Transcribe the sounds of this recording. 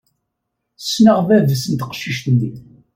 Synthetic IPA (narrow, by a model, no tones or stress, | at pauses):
snəʁðæðsənt̪qə̥ʃːiʃt̪ənd̪i